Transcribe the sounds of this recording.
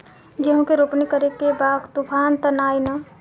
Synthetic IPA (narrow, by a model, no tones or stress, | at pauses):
ɡəɦõkeɾopnikəɾekebaːɡt̪upʰaːnt̪ənaːjnɐ